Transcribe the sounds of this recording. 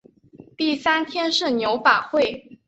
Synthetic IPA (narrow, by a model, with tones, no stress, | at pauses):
t̪i˥˩sa˥nt̪ʰjɛ˥nʂɻ̩˥˩njo˧˥ʊpa˨˩xwe˥˩ɪ